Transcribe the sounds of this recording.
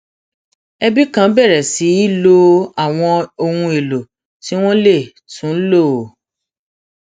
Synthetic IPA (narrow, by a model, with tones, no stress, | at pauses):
ɛ˧bi˦kã˦bɛ˦˨ɾɛ˨si˨˦i˦lo˧a˨w̃ɔ̃˧o˧hũ˧e˨lo˨ | ti˨˦w̃ɔ̃˦le˦˨ | tũ˨˦lo˦˨